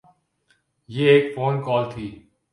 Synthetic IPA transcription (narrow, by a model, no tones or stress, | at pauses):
jeːeːkfoːnkɔːlt̪ʰiː